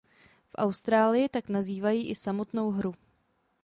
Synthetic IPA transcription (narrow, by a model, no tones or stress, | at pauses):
fʔa̰wst̪ɾaːlɪjɪt̪aknaziːvajiːʔɪsamo̞t̪no̞wɦɾu